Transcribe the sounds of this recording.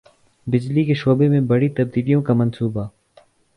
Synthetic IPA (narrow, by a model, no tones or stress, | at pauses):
bɪd͡ʒlikeʃoːbemẽbɐɽit̪ɐb̚d̪iːlijõkamɐnsuːba